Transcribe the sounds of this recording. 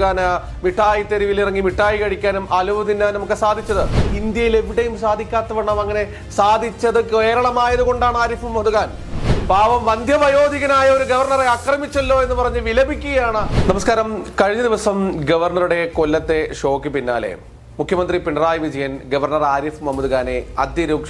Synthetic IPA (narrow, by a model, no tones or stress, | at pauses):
ɣaːna | miʈːaːjit̪ːeɾiʋilirɐŋːimiʈːaːjikɐɻikʲːaːnumʔɐluʋɐðinːaːnɐmukːɨsaːd̪ʱit͡ɕːɐðɨind̪jɐjile̞ʋiɽejumsaːd̪ʱikʲːaːt̪ːɐʋɐɳɐmɐŋːɐne̞ | saːd̪ʱit͡ɕːɐðɨkeːɾɐɭɐmaːjɐðuko̞ɳɖaːɳaːɾifɨmɐðuɣaːn | baːʋɐmʋɐnd̪ʱjɐʋɐjo̞ːd̪ʱiɣɐnaːjɐoɾuɡɐʋɐrɳɐreɐkrɐmit͡ɕːɐlːo̞ːe̞nːɨpɐrɐɲːɨʋilɐbʱikʲːuɣɐjaːɳɨnɐmɐskaːɾɐmkɐɻiɲːɐd̪iʋɐsɐmɡɐʋɐrnɐruɽe̞kolːɐt̪ːe̞ʂo̞ːkːipinːa̰ːlḛ | mukʰjɐmɐnd̪ripiɳɐraːjiʋid͡ʑɐjɐnɡɐʋɐrnɐraːɾifmɐmɐðuɣaːne̞ɐ̰d̪jɐɾuːkʂ